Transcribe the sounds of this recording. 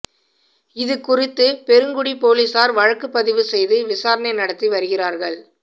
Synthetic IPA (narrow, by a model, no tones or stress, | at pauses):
ɪðɯkʊrɪt̪ːɯpɛɾɯŋɡʊɽipoːlisaːɾʋɐɻɐkːɯpːɐðɪʋɯsɛjðɯʋɪsaːɾɐnɐɪnɐɽɐt̪ːiʋɐɾɯɣɪraːɾɣɐɭ